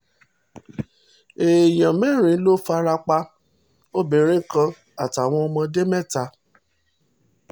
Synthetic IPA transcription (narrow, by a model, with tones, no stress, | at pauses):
e˨j̃ã˨mɛ̃˦˨ɾ̃ĩ˨˦lo˦fa˧ɾa˧k͡pa˧ | o˦be˨ɾe˨˦kã˧ | a˨ta˨w̃ɔ̃˧ɔ˧mã˧de˦mɛ̃˦˨ta˧˦